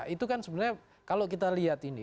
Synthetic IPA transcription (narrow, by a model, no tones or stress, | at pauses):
ʔit̪ukansəbənəɲa | kalok̬it̪aliat̪inḭ